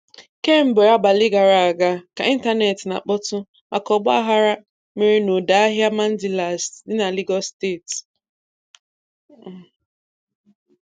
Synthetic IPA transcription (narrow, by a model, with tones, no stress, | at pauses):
ke˦m̩˦be˨a˦ba˨li˦ɡa˨ɾa˨a˨ɡa˦ka˨i˦n̩˦ta˦ne˨tna̰˨k͡pɔ˦tʊ˦ | a̰˨kɔ˨ɡ͡ba˦a˦ɦa˦ɾa˦ | me˨ɾe˦no˨da˨a˦ɦja˦ma˦n̩˦dɪ˨la˨sdɪ˦na˨li˦ɡɔ˦ste˦˨t